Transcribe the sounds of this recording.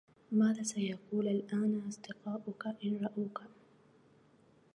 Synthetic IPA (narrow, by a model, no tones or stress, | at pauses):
maːðaːsajɑquːlalʔaːnaɑsˤd̪ɨqɑːʔʊkaʔɪnɾˤɑʔuːka